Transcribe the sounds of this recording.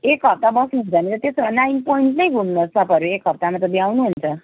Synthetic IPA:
ekɦʌp̚t̪abʌsnuɦunt͡sʌnit̪ʌt̪esʌɾanajnpojiɳʈnʌjɡʱumnʌsʌpʌɾuekɦʌp̚t̪amat̪ʌb̪iawnuɦunt͡sʰʌ

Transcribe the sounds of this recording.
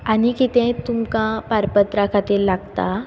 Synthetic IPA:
añikit̪ɛ̃t̪umkãpaɾpət̪ɾakʰat̪iːɾlaɡt̪a

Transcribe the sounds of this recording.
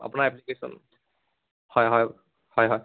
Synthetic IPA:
a̰punaɹɛplikesɔ̰n | hɔjɦɔj | hɔjɦɔj

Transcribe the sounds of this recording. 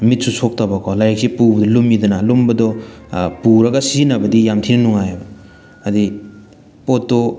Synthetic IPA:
mit̚susʰok̚tɐbakʰolajek̚sepubɐdɔlumidɐnalumbɐdɔpuɾɐɡɐsinɐbɐdijamtʰinɐnuŋajbɐ | ɐdi | potːo

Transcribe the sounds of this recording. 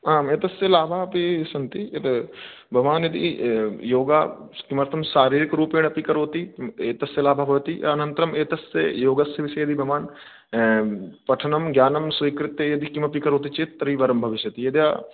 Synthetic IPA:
aːmeːt̪ɐsjɐlaːbʱapisɐnt̪iet̪ɐ | bʱɐʋaːnjɐd̪ḭjoːɡaːkimɐɾt̪ʰɐmsaːɾiːɾɪkɾuːpeːɳ̃ɐpikɐɾoːt̪ieːt̪ɐsjɐlaːbʱabʱoʋt̪ḭɐnɐ̃nt̪ɾɐmeːt̪ɐsejoːɡɐsjɐʋɪsejɐd̪ʱibʱɐʋaːn | pɐʈʰɐnɐmɡjaːnɐmsʋɐikɾɪt̪jejɐd̪ʱikimɐpikɐɾoːt̪̬it͡ʃeːt̪ɐɾiːʋɐɾɐmbʱɐʋɪʃjɐt̪ijɐd̪jaː

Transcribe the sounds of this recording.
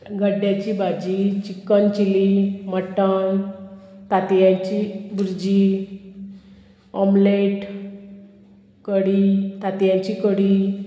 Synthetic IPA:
ɡʱəɖjat͡ɕibʱad͡ʑit͡ɕikːənt͡ɕiliməʈən | t̪at̪jãɲt͡ɕibuɾd͡ʑi | ɔmleʈ | kəɽit̪at̪jãɲt͡ɕikəɽi

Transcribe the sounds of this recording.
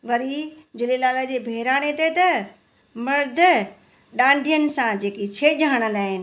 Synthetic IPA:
ʋɐɾid͡ʑʊlelaːləd͡ʑeːbʱeɦɾaːɽ̃et̪et̪ɐ | mɐɾd̪ʱə | ɗãːɳɖʱijənɪ̆sãd͡ʑeːkit͡ɕʰeːʄaːəɽ̃ə̃n̆d̪aːɦɪnɪ̆

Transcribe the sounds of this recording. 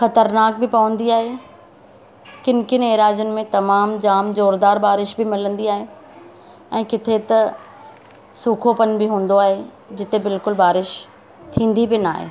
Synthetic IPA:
xɐt̪əɾnaːk̚bɪpɐʋə̃nd̪iaːɦeː | kɪnkɪneːɾaːd͡ʑʊnɪ̆mẽt̪ɐmaːmd͡ʑaːmzoːɾd̪aːɾbaːɾɪʃbɪmɪlə̃nd̪iaːɦe | ɛ̃ːkɪt̪ʰet̪ɐ | suːkʰopɐnbɪɦũːn̆d̪oaːɦe | d͡ʑɪt̪ebɪlkʊlbaːɾɪʃ | t̪ʰĩːn̆d̪ibɪna̰ːɦḛː

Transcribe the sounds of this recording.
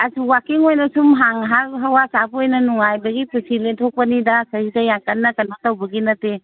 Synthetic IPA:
asuwakiŋojnɐsumɦaŋɦakɦawasabojnɐnuŋajbɐɡipusiletʰok̚pɐnidasɐidajakanːɐkɐnatawbɐɡinɐte

